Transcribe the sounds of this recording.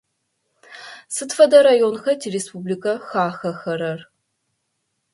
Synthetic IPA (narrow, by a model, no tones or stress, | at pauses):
sɨtfɐdɐɾajonxɐtʰiɾespublikʰʼɐxaːxɐxɐɾɐr